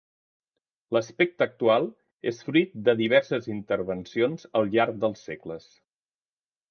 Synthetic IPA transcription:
ləspɛk̚t̪əːk̚t̪ualˠ | ḛsfɾit̪̚d̪əðiβ̞ɛɾsəzint̪əɾβənsionzəlˠʎaɾk̚d̪əlˠsːekləs

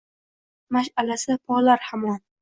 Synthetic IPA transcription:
maʃalasɪpʰɒlaɾhamɒn

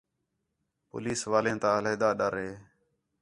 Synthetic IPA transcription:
po̰ːliːsʋaːlẽːt̪ãːleːd̪aːɗəɾɦeː

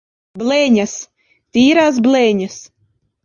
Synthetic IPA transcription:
blɛːɲas | t̪ʲiːɾaːs̬blɛːɲas

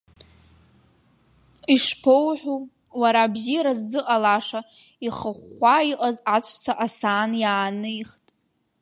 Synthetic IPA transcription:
iʂpʰowħʷᶣu | waɾabzijaɾazːɨqʼalaʂa | iχəχʷaiqʼazat͡ɕʷʰʼt͡sʰaʔasaːnjaːnɨiχtʼ

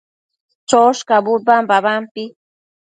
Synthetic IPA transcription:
t͡ʃoʃkabʊɾbambaβampɪ

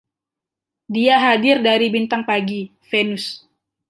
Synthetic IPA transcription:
diaɦadɪrdaɾibint̪aŋpaɡifenʊs

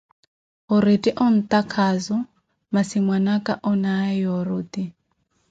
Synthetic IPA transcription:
ɔɾetʼiʔɔn̩t̪ʼakʰazɔ | masimwanakʼaʔɔnaɛjɔɾuːt̪i

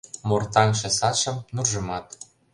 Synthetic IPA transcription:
mort̪ɑŋʃĕsɑʃɤ̆mnurʒɤ̆mɑt̪

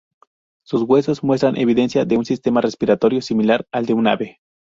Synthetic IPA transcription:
susɣwe̞sosmwe̞s̬t̪ɾanʔeβiðe̞nsjaðeunsist̪emarespiɾat̪oɾjosimilaɾald̪euna̰βe

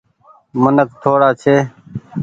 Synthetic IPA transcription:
mʊnək̚t̪ʰoːɽaːt͡ʃʰeː

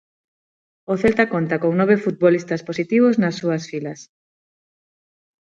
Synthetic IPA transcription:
oθelt̪akont̪akoŋnoβ̞efut̪̚βolist̪asposit̪iβ̞oznɐsːuasfilɐs

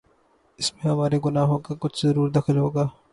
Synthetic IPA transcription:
ɪsmẽɦɐmaːɾeɡʊnaːɦõkakʊt͡ʃʰzɐɾuːɾd̪ɐxʰɪlɦoːɡaː

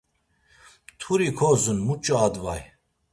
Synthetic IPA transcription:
t̪ʰuɾikʰɔzunmut͡ʃʼɔad̪vaj

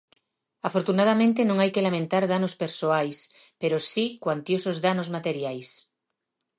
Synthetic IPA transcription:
afoɾt̪unaðamẽnt̪enõŋajkelamẽnt̪aɾðanospeɾsoajspeɾosikwant̪josozðanozmat̪eɾjajs

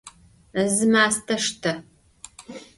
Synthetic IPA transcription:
ɨzɨmaːstʰɐʂtʰɐ

